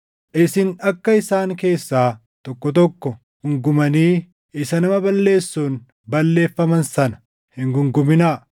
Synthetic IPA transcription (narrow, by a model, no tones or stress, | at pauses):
ʔɪsɪnɐkːɐɪsaːŋke̞ːsːaː | t̪ɔkːɔt̪ɔkːɔ | ɡ̥ʊŋɡʊmɐniː | ɪsɐnɐmɐbɐlːe̞ːsːuːn | bɐlːe̞ːfːɐmɐnsɐnɐ̥ | hɪŋɡʊŋɡʊmɪnaː